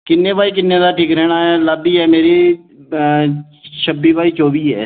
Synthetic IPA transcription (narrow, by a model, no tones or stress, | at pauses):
kɪnːeːʋaːikɪnːed̪aʈʰiːkɾɛːnaːɦɛləbiɦɛːmeːɾi | ʃəbːiʋaːiːt͡ʃoːbiːɦɛ̰ː